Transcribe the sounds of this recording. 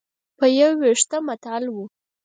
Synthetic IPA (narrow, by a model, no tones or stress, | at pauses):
pəjawwiʂt̪əmat̪alwu